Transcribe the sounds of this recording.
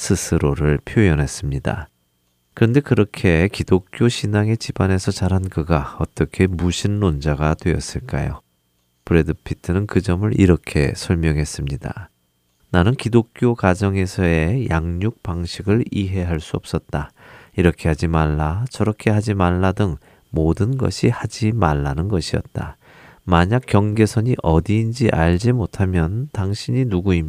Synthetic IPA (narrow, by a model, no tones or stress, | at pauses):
sʰɯsʰɯɾoɾɯɭpʰjojʌnɦe̞s͈ɯmɲida̰ | kɯɾʌnde̞kɯɾʌkʰe̞kidok̚k͈joɕʰinaŋe̞t͡ɕibane̞sʰʌt͡ɕaɾɦankɯɡaʌt͈ʌkʰe̞muɕʰinːond͡ʑaɡatwe̞ʌ̰s͈ɯɭk͈a̰jo̰ | pɯɾe̞dɯpʰitʰɯnɯnkɯd͡ʑʌmɯɾʔḭɾʌkʰe̞̰sʰʌɭmjʌŋɦe̞s͈ɯmɲida̰ | nanɯnkidok̚k͈jokad͡ʑʌŋe̞sʰʌe̞jaŋɲuk̚paŋɕʰiɡɯɭiɦe̞ɦaɭs͈uʌp̚s͈ʌt̚t͈aiɾʌkʰe̞had͡ʑimaɭːat͡ɕʌɾʌkʰe̞ɦad͡ʑimaɭːadɯŋ | modɯnɡʌ̰ɕʰihad͡ʑimaɭːanɯnɡʌɕʰiʌ̰t̚t͈a̰ | maɲak͈jʌŋɡe̞sʰʌɲiʔʌdiːnd͡ʑiʔaʎd͡ʑimotʰamjʌntaŋɕʰiɲinuɡuim